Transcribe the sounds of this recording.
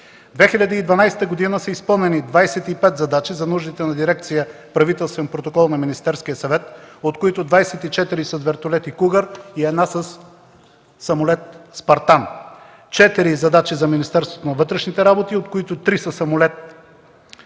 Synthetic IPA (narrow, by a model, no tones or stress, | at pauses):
d̪vɛxilʲɐd̪iːd̪vɐnajsɛ̥t̪əɡod̪inəsəispɤlˠnɛnid̪vajsɛt̪ipɛt̪zɐd̪at͡ʃizɐnuʒd̪it̪ɛnɐd̪iɾɛkt̪sijə | pɾɐvit̪ɛlˠst̪vɛnpɾot̪okɔlˠnɐminist̪ɛɾskijəsɐvɛt̪ot̪koit̪ʊd̪vajsɛt̪it͡ʃɛt̪iɾisəd̪vɛɾt̪olɛt̪ikuɡəɾiɛd̪nasəs | ɐmʊlɛt̪spɐɾt̪an | t͡ʃɛt̪iɾizɐd̪at͡ʃizɐminist̪ɛɾst̪vot̪onɐvɤt̪ɾɛʃnit̪ɛɾabot̪iot̪koit̪ʊt̪ɾisəsɐmʊlɛt̪̚